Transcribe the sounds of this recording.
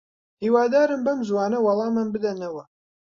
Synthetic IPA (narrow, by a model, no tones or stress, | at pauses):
hiwaːd̪aːɾɨmbɐmzwɑːnɐwɑlˠɑːmɐmbɨd̪ɐnɐwɐ